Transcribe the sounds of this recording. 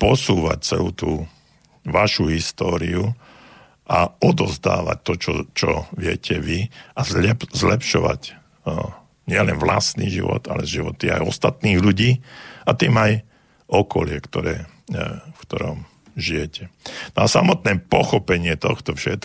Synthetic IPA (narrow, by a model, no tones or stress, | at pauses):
pɔsuːʋac̚t͡sɛluːt̪uː | ʋaʃuɦist̪ɔːɾiu | ʔaɔd̪ɔzd̪a̰ːʋa̰c̚t̪ːɔt͡ʃɔt͡ʃɔʋɪɛcʰɛʋiazɛzlɛpʃɔʋa̰c | ɲɪɛlɛnʋlast̪niːʒḭʋɔ̰t̪alɛʒiʋɔt̪ia̰jɔst̪at̪niːɣʎuɟiːat̪iːmaj | ʔɔkɔlɪɛkt̪ɔɾɛː | fkt̪ɔɾɔm | ʒijɛcɛnɔasamɔt̪nɛːpɔxɔpɛɲɪɛt̪ɔxt̪ɔfʃɛt̪